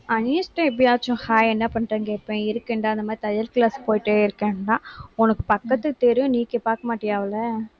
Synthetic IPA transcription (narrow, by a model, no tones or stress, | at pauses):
ɐnisʈːɐ̃ɛpːɽɪjaːt͡ʃːʊ̃haːjɛnːɐpɐɳːɾɐŋɡeːʈpːẽɪɾɯkːɛːɳɖaːɐnd̪ɐmaːd̪ɾit̪ɐjɐɾklaːspoːjɪʈːeɪɾɯkːẽːɳɖãːɔnɐkːɯ̥pɐkːɐt̪ːɯt̪ɛɾɪjʊ̃niːkːepaːɾkɐmaːʈːɪjaːʋɐlɐ